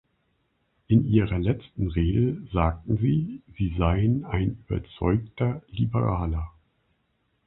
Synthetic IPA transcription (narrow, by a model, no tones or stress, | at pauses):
ʔɪnʔiːʁɐlɛt͡stn̩ʁeːɡəzaːk̚tn̩ziːziːzaɪənaɪnyːbɐ̰t͡sɔ̰ʏktʰɐlibəʁaːlɐ